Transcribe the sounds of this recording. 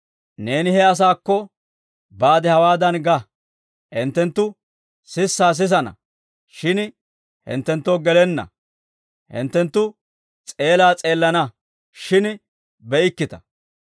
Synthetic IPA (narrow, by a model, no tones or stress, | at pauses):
ne̞ːnɪhɛɐs̬aːkːɔ | baːd̪ɛhɐwaːd̪ɐnɡɐ | ʔɪnt̪ːɛnt̪ːʊ | sɪsːaːs̬ɪs̬ɐnɐ̰ | ʃɪn | hɪ̰nt̪ːɛnt̪ːoːɡɛlɛnːɐ̰ | hɪ̰nt̪ːɛnt̪ːʊ | t͡sʼe̞ːlaːt͡sʼeːlːɐnɐ | ʃɪn | bɛʔɪkːɪt̪ɐ̥